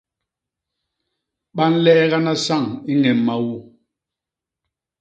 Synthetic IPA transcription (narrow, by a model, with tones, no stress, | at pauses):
ɓa˦n̩˦lɛː˦ɣa˦na˦sa˦˨ŋi˦ŋɛ˨mːa˦wu˦˨